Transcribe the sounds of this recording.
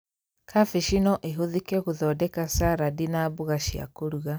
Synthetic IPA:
kʰafeʃinɔʔeɦoðikɛɣuðɔdɛkasaɾadinabuɣaʃia̰koɾuɣa

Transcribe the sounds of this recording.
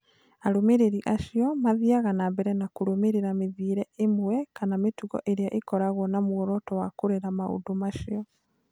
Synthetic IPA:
aɾomeɾeɾiʔaʃiɔmaðiaɣanambɛɾɛnakoɾomeɾeɾameðiːɾɛemwwɛkanametuɣɔ̰ʔeɾeaʔekɔɾaɣwɔnamwɔɾɔtɔwakoɾeɾamao̰domaʃiɔ

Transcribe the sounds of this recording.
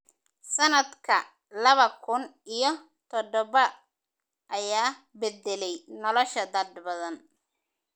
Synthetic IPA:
sɐnɐd̪kʰɐ | lɐβɐkʰʊnijɞ | t̪ʰɔd̪ɔβɐ | ʔɐjaːbɛd̪ɛlɛjnɔlɔʃɐd̪ɐd̪bɐðɐn

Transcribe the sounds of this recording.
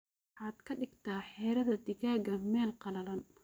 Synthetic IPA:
ħɑːd̪kʰɐɖɪɡt̪ʰaːħɛːɾɐðɐd̪ɪɣaːɡɐmɛːlqɑlɐlɐn

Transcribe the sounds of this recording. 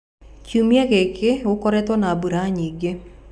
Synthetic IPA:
kumiaɣekʰeokɔɾɛtwɔnaːbuɾaɲiːɡe

